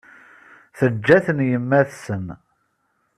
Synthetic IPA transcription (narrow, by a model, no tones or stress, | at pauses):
θəd͡ʒːæθənjəmːæθsən